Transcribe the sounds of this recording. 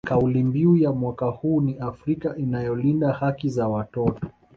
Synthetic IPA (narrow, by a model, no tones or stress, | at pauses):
kaulimbiujamwakahuːniafɾikaʔinajɔlindahakizawatɔtɔ̥